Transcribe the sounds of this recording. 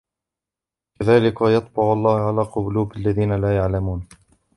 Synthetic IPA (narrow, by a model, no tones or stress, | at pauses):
kaðaːlɪkajɑt̪̚ˤbɑʕʊʔɑlˤːɑːhʕalaːqʊbʊluːbalːaðiːnalaːjaʕlamuːn